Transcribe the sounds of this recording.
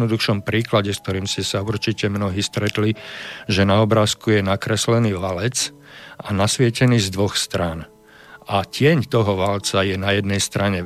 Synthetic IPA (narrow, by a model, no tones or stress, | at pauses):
nɔd̪uxʃɔmpɾiːklaɟɛsk̚t̪ɔɾiːmscɛsauɾt͡ʃicɛmnɔɦiːst̪ɾɛt̪liʒɛnaɔbɾaːskujɛnakɾɛslɛniːʋalɛt͡s | anasʋɪɛcɛniːzd̪ʋɔxst̪ɾaːn | ʔacɪɛɲt̪ɔɦɔʋalt͡sajɛnajɛd̪nɛjst̪ɾaɲɛ